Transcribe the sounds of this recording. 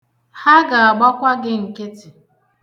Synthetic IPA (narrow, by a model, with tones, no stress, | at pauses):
ha˦ɡa˨a˨ɡ͡ba˦kʷa˦ɡɪ˦ŋ̩˨ke˦tɪ˨